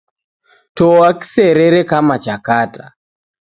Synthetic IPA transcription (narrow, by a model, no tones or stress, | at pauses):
tɔaki̥sɛɾɛɾɛkamat͡ʃakata